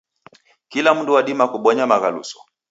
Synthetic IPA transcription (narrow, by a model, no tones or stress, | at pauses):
kilam̩nduwaɗimakuɓɔɲamaɣalṵsɔ̥